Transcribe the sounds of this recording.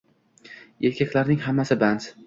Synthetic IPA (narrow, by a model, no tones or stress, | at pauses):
e̞ɾkʲʰakʲlaɾnɪŋɦamːasɪbant̪